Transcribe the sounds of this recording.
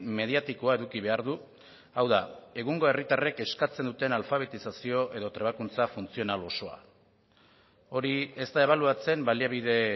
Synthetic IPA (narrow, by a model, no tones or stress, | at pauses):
me̞ð̞iat̪ikoae̞ðukiβ̞e̞aɾðu | awðae̞ɣuŋɡo̞e̞rit̪are̞ke̞skat͡se̞nd̪ut̪e̞nalfaβ̞e̞t̪isasio̞ʔe̞ðo̞t̪ɾe̞β̞akunt͡safunt͡sio̞nalo̞so̞a̰ | o̞ɾie̞st̪ae̞βaluat͡se̞mbaliaβ̞iðe̞